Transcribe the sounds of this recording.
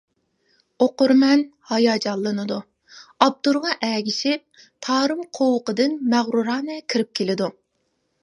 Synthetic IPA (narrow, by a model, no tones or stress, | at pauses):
oqʊɾmɛnhɑjɑːd͡ʒɑlˠːɨnɨd̪u | ɑb̚d̪uɾʁɑʔɛɡʲiʃɪp̚ | t̪ʰɑːɾɨmqʰowʊqəd̪ɨnmæʁɾuɾɑːnɛkʲʰiɾɪp̚kʲʰelɪd̪u